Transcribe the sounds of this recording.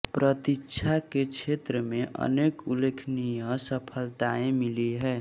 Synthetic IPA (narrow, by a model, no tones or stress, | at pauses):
pɾət̪it͡ʃʰaket͡ʃʰet̪ɾəmeʔə̰nekulekʰnijə̃səpʰəlt̪aẽmiliɦɛː